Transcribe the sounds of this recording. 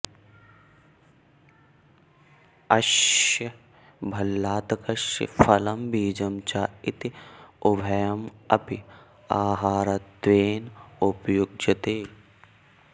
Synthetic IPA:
ɐʃɐ | bʱɐlːaːt̪ɐkɐʃɐ̰fɐlɐmbiːd͡ʒɐmt͡ʃaːit̪iʊbʱɐjɐmɐ̰pi | aːɦaːɾɐt̪ʋeːnupjuɡ̚d͡ʒɐt̪eː

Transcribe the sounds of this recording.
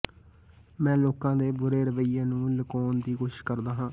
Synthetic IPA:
mɛ̃ːloːkãːd̪eːbʊɾeːɾəʋəiːãːnũːləkoːnd̪iːkoːʃɪ̥ʃkəɾd̪aːɦãː

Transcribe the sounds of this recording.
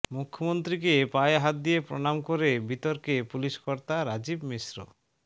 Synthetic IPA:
mukʰːomont̪ɾikepaeɦat̪̚d̪ijepɾoñamkoɾebit̪oɾkepuliʃkɔɾt̪aɾad͡ʑibmisɾo̰

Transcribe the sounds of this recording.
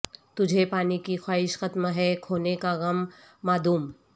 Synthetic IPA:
t̪ʊd͡ʒʱepaːnikixwaːɦɪʃxɐt̪mɦɛkʰoːnekaɣɐmː | aːd̪uːm

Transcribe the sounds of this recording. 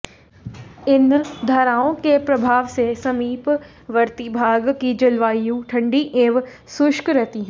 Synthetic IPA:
ɪnd̪ʱɐɾaːõkepɾɐbʱaːʋsesɐmiːp | ʋɐɾt̪ibʱaːɡkid͡ʒɐlʋaːijũʈʰɐ̃ɳɖiʔeːʋ | sʊʃkɾɛɦt̪iɦɛ̃ː

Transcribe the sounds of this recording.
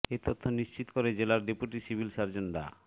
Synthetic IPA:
et̪ot̪ʰːoniʃt͡ɕit̪o̥koɾed͡ʑelaɾɖipuʈisibʱilʃaɾd͡ʑonɖa̰

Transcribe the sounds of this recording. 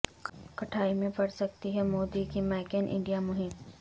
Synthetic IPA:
kɐʈʰaːimẽpɐɽsɐk̚t̪iɦɛmoːd̪ikimɛːkənʔɪ̰̃ɳɖijamʊɦɪm

